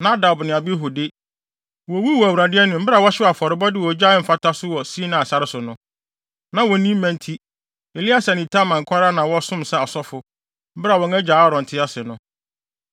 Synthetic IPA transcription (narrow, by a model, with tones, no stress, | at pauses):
nã˦da˨bnɪ̃˨a˨bɪ˦ɦʊ˨de˦ | wɔ˨˦wi˦wɔ˨æ˨wu˨ɾa˨dɪ˦ɛ˦nʊ̃˨m̩˦bɪ˦ɾa˨wɔ˦ɕɪ˦˨a˨fɔ˨ɾɪ˨bɔ˦dɪ˦˨wɔ˨d͡ʑa˦ɪ˦m̩˨fa˦tʰa˦sʊ˦wɔ˨si˦nã˨a˨sa˨ɾɪ˦sʊ˨nʊ̃˦ | nã˨wɔ˨˦nĩ˦m˦mæ̃˨n˦tʰi˦ | e˨li˦a˦sa˨nɪ̃˨tʰa˦mã˨ŋ˨kʰa˦ɾa˦nã˨wɔ˦sʊ̃˦msɛ˨ɔ˨sɔ˦fʊ˨ | m̩˦bɪ˦ɾa˨wɔ̃˨ŋɛ̃˦d͡ʑaː˨˦ɾɔ̃˨n̩˨tʰɪ˦a˦sɪ˨nʊ̃˦